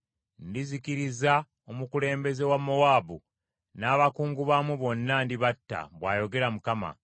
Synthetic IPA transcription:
ndizikiɾiza | o̞mukule̞ːmbe̞ze̞wamːowaːbu | naːβakuːŋɡuβamweβo̞nːandiβatːa̰βwaːjo̞ɡe̞ɾamukama̰

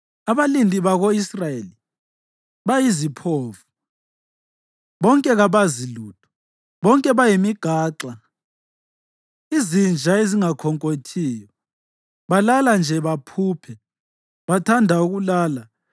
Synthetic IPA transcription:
aβalindʱiβaɣoisrajeli | βajizipʰoːfu | βɔŋkʼɛɣaβaziluːtʰu̥ | βɔŋkʼɛβajimiɡ̥ʱaːǁa | izind͡ʒʱaeziŋakʰɔŋkʼotʰiːjɔ | βalaland͡ʒʱɛβapʰuːpʰɛ | βatʰandʱauɣulaːla

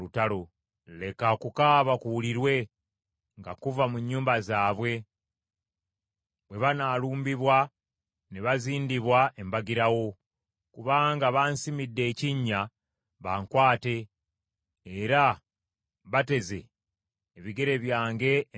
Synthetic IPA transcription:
lutalo̞ | le̞kakukaβakuwuliɾwe̞ | ŋɡakuvamuɲːuːmbazaːβwe̞ | βwe̞βanaːluːmbiβwa | neβaziːndiβwae̞mbaɡiɾawo̞ | kuβaːŋɡaβaːnsimidːe̞ːciɲːa | βaːŋkwaːte̞ | ɾa | βate̞ze̞ː | βiɡe̞ɾe̞βjaːŋɡe̞

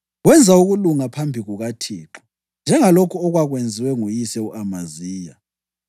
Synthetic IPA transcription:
ɣwɛnd͡zʱauɣuluŋapʰambʱiɣuɣatʰiːǁɔ̥ | nd͡ʒʱɛŋalokʰuɔɣwaɣwend͡zʱiwɛŋujisɛuʔamaziːja

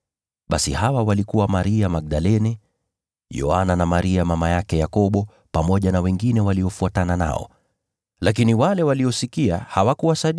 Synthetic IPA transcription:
ɓasḭhawawalikuwamaɾiamaɡ̚ɗalɛnɛ | jɔ̰ananamaɾiamamajakɛjakɔɓɔ | pamɔʄanawɛŋɡinɛwaliɔfuatanana̰ɔ̰ | lak̬iniwalɛwaliɔsikiahawakuwasaɗ

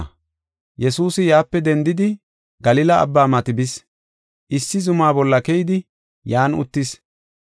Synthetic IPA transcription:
jɛsuːsɪjaːpːɛd̪ɛnd̪ɪd̪ɪ | ɡɐlɪlɐɐ̰bːaːmɐt̪ɪbɪs | ʔɪsːɪzʊmaːbɔlːɐkɛjɪd̪ɪ | jaːnʊ̰t̪ːɪs

